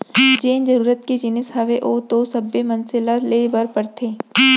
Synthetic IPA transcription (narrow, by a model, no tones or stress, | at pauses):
d͡ʒeːnd͡ʒɐɾuːɾət̪̚ked͡ʒɪnɪshɐʋeʔoːt̪osɐbːemɐ̃nsɪlalebɐɾpəɾt̪ʰeː